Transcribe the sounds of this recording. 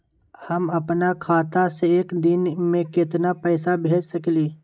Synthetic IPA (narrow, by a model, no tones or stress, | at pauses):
hɐmɐpnakʰaːt̪aseeːkd̪ɪnmẽkɪt̪napɛːsabʱeːd͡ʒsɐkliː